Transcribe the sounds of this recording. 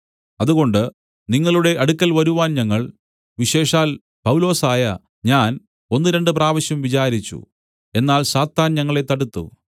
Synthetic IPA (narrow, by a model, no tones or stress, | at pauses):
ɐðuɣo̞ɳɖɨ | niŋːɐɭuɽe̞ʔɐɽukʲːɐlʋɐɾuʋaːnɲɐŋːɐɭ | ʋiɕe̞ːʂaːl | pɐwlo̞ːsaːjɐ | ɲaːn | o̞nːɨɾe̞ɳɖɨpraːʋɐɕjɐmʋit͡ɕaːɾit͡ɕːṵ | e̞nːaːlsaːt̪ːaːnɲɐŋːɐɭe̞t̪ːɐɽut̪ːṵ